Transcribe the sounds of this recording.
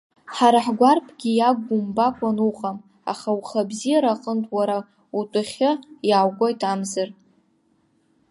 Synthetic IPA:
ħaɾaħɡʷarpʰɡʲijaɡʷːʊmbakʷʼanuqʼam | a̰χawχabzijaɾaqʼəntʰʼwaɾa | utʼʊχʲɨjawɡʷojtʰʼamzɨr

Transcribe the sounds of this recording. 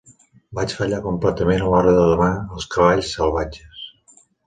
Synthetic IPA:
bat͡ʃfəʎakumplɛt̪əmenəlɔɾəðəðəmaəlˠskəβaʎsːəlˠβad͡ʒəs

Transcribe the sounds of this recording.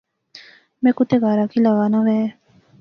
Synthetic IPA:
mẽkut̪eɡaːɾakilɐɡaːnaʋɛ

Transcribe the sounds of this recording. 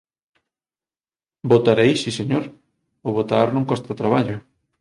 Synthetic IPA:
bot̪aɾejsiseɲoɾ | oβot̪aɾnõŋkɔst̪at̪ɾaβaʎʊ

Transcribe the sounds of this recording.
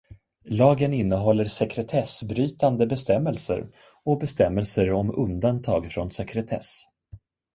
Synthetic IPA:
lɑːɡənɪnːəɦɔlːəɾʂɛkɾɛt̪ʰɛsbɾyːt̪and̪əbɛst̪ɛmːəlsə̰ɾ | ɔbɛst̪ɛmːɛlsəɾɔmɵnd̪ant̪ʰɑːɡfɾɔnsɛkʰɾɛt̪ʰɛ̰s

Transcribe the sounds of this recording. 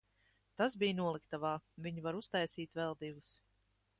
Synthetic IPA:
t̪asbijnuɔlˠikt̪avaːviɲivaɾust̪ajsiːt̪vɛlˠd̪ivus

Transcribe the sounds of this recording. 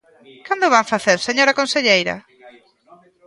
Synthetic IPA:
kand̪ʊβaɱfaθeɾseɲoɾakõnseʎejɾɐ̰

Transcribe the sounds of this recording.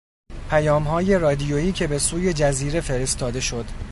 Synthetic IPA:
pʰæjɒːmɦɒːje̞ɾɒːd̪ijoiːcʰe̞be̞suːje̞d͡ʒæziːɾe̞fe̞ɾest̪ɒːd̪e̞ʃo̞d̪

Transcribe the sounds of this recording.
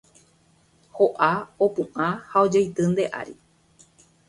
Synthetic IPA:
hoʔaopũʔãhao̞d͡ʒajt̪ɨ̃nd̪e̞ʔa̰ɾi

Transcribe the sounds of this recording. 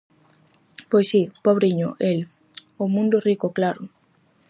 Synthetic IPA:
pojsipɔβɾiɲoʔel | omũnd̪orikoklaɾʊ

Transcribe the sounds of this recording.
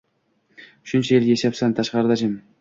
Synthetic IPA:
ʊʃɪnt͡ʃʰɪelɡʲeeʃapsant̪ʰɑʃqɑɾɨd̪ɑd͡ʒɪm

